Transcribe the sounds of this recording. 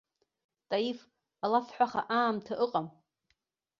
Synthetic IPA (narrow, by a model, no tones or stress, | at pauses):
tʼajif | alafħʷᶣaχa̰ʔaːmtʰaʔɨqʼam